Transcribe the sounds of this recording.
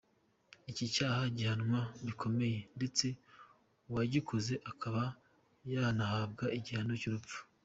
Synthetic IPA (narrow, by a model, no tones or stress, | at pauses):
icicaːhaɟihanŋwaβikʰo̞me̞je̞nde̞t͡se̞ | uwaɟikʰoze̞ʔakʰaβa | janahaːb̚ɡaiɟihanocuɾupp͡fu̥